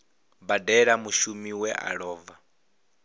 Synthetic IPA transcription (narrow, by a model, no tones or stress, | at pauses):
badɛɺamuʃumiwɛʔa̰ɺɔːva